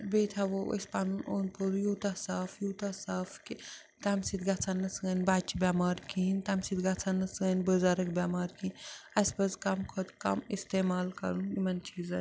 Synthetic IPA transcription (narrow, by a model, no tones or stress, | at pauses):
beːt̪ʰaʋoɐ̰sʲpaːnunoːnpʰəlujoːt̪asaːfjuːt̪asaːfki | t̪amsit̪ɡɐt͡sʰanːɐt͡sɡɐnʲbaːt͡ʃibʲaːmaːɾkʰint̪amsit̪ɡɐt͡sʰanːɐt͡sɐnʲbəzaːɾɐkbʲjaːmaːɾkʰĩnɐsʲpɐzkɐmkʰot̪kɐ̰mist̪eːmaːlkɐ̰ɾunjimɐnt͡ʃʰiːzɐn